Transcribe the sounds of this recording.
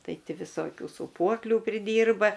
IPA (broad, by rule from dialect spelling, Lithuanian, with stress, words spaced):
ˈtɐɪ ˈtʲɪ ʋʲɪˈsoːkʲuː suːˈpuɔklʲuː pʲrʲɪˈdʲiːrbɐ